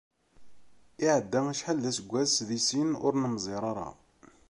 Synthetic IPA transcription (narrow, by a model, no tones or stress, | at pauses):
iʕəd̪ːæmæʃħəlːæsəɡʷːæsðisinʊ̰ɾnəmzˤɪɾˤɑɾˤɑ̰